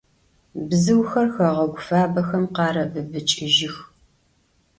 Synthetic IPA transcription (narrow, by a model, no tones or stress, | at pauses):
bzɨwxɐrxɐʁɐɡʷʊfaːbɐxɐmqɑːɾɐbɨbɨt͡ʃʼɪʒɪx